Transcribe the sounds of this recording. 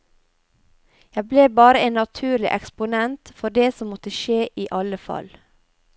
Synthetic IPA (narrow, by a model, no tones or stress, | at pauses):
jæɪbleːbɑːɾəeːnːɑt̪ʰʉːɾlɪʔɛkspʊnɛnt̪fɔɖeːsɔmɔt̪əʃeːʔiːʔɑləfɑ̰l